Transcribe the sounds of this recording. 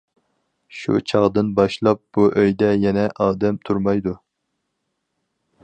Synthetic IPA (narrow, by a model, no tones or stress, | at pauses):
ʃṵt͡ʃʰɑʁd̪ɨnbɑʃlˠɑp̚b̥uʔøjd̪ɛjɛnɛʔɑːd̪ɛmt̪ʰuɾmɑjd̪u